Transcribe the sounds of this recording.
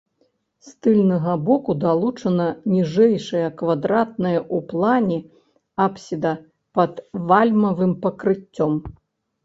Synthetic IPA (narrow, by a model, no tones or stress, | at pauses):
st̪ɨlʲnɐɣɐbɔkud̪alˠut͡ʂɐnɐnʲiʐɛjʂɐjɐkvad̪ɾat̪̚nɐjɐʔuplˠanʲɛ | apsʲid̪ɐ | pɐt̪valʲmɐvɨmpɐkɾɨt͡sʲːɔm